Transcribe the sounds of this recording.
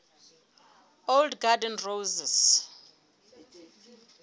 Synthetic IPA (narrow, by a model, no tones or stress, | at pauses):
oldɡadɛnrowzɛs